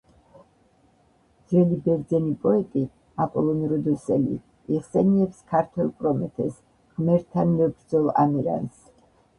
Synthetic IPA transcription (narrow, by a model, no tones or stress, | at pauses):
d̪zɛlibɛɾd̪zɛnipʼɔɛt̪ʼi | apʼɔlˠɔnɾɔd̪ɔsɛlḭ | iχsɛniɛpskʰaɾt̪ʰwɛlˠkʼɾɔmɛt̪ʰɛs | ʁmɛɾt̪ʰanmɛbɾd̪zɔlˠa̰miɾa̰ns